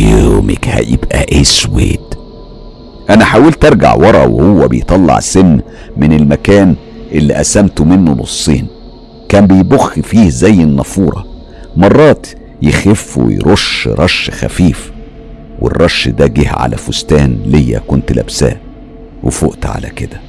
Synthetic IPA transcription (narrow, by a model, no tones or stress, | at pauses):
joːmḛkhæ̰jebʔæ̰ʔeːswḛːt̪ | ʔænæħaːwelt̪eɾˤɡa̰ʕwɑɾˤɑ̰wḛhowːæbejt̪ˤɑlːɑ̰ʕsenː | mɪnelmækæːn | ʔelːiʔæsæmt̪mɪnːolo̰sˤːiːn | kæːmbejboxːifiːhzæjːenːɑfuːɾˤɑ̰ | mɑrˤːɑːt̪ | jexefːṵw̰jɾʔoʃɾˤɑʃxæ̰fiːf | wḛrˤːɑʃːd̪æːɡihʕa̰læ̰fost̪æːnlejːæ̰kont̪læ̰bsæ̰ː | wefoʔt̪ʕa̰læ̰ked̪æ